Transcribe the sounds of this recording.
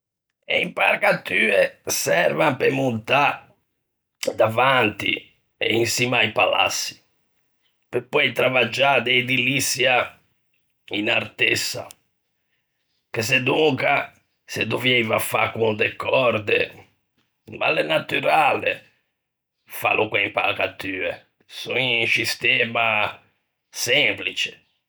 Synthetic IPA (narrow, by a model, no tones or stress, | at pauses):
ɛ̰impaɾkat̪ːyːɛsɛɾvampemunt̪a | d̪avant̪ḭ | ɛ̰insimajpala̰sːi̥ | pepːɔjt̪ɾavad͡ʒad̪ɛid̪ilisːja | inaɾt̪ɛsːa̰ | kesed̪uŋka | sed̪ovjɛjvafa̰kund̪ɛkʰːɔɾd̪ḛ | ma̰lenat̪yɾaːlḛ | fa̰lʔukwɛmpalkat̪ːyːɛ | suisist̪ɛːma | sɛmplit͡ʃe̥